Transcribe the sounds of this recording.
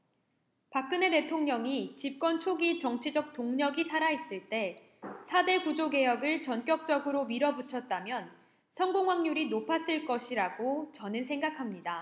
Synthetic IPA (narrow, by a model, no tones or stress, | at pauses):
pak͈̚ɯne̞te̞tʰoŋɲʌŋit͡ɕip̚k͈wʌnt͡ɕʰoɡit͡ɕʌŋt͡ɕʰid͡ʑʌk̚t͈oŋɲʌɡisʰaɾais͈ɯɭt͈e̞ | sʰade̞ɡud͡ʑoɡe̞jʌɡɯɭt͡ɕʌnk͈jʌk̚t͡ɕ͈ʌɡɯɾomiɾʌbut͡ɕʰʌt̚t͈amjʌn | sʰʌŋɡoŋɦwaŋɲuɾinopʰas͈ɯɭk͈ʌɕʰiɾaɡot͡ɕʌnɯnsʰe̞ŋɡakʰamɲida